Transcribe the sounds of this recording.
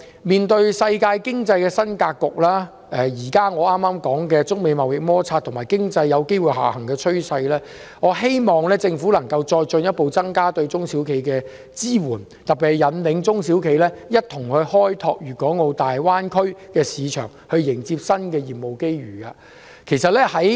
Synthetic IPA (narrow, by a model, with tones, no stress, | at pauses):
miː˨nt̪ɵ˧ɥsɐ˧jkaː˧jkɪ˥ŋt͡sɐ˧jkɛː˧sɐ˥nkaː˧kːʊ˨k̚laː˥ | ɛː˨jiː˨˩kaː˥ŋɔː˨˧aː˥mːaː˥mkɔː˨˥ŋkɛː˧t͡sʊ˥k̚me˨˧jmɐ˨wjɪ˨k̚mɔː˥t͡sʰaː˧t̪ʰʊ˨˩maː˨˩jkɪ˥ŋt͡sɐ˧jːɐ˨˧wke˥jwu˨˧ɥɦa̰ː˨˩hɐ˨˩ŋkɛː˧t͡ʃʰɵ˥ɥsɐ˧jlɛː˥ŋɔː˨˧ɦe˥jmɔː˨ŋlɛː˥t͡sɪ˧ŋfu˨˥lɐ˨˩ŋkɐ˧wt͡ʃɔː˧jt͡ʃɵ˧njɐ˥t̚po˨˧wt͡sɐ˥ŋkaː˥t̪ɵ˧ɥt͡sʊ˥ŋsiː˨˥wkʰe˨˥jkɛː˧ | t͡siː˥wuː˨˩n | t̪ɐ˨k̚pːi˨hjɐ˨˧nlɪ˨˥ŋt͡sʊ˥ŋsiː˨˥wkʰe˨˧jlɛː˥jɐ˥t̚t̪ʰʊ˨˩ŋhɵ˨˧ɥhɔː˥jt̪ʰɔː˧k̚ɥyː˨˩kɔː˨˥ŋo˨˧wt̪aː˨jwaː˥nkʰɵ˥ɥkɛː˧siː˨˧t͡ʃʰœ̰ː˨˩ŋhɵ˧ɥjɪ˨˩ŋt͡si˧p̚sɐ˥nkɛː˧jiː˨˩p̚mo˨˩wke˥jɥy̰ː˨˩ka̰ː˧ | kʰe˨˩jsɐ˨t̚lɛː˥hɐ˨˥j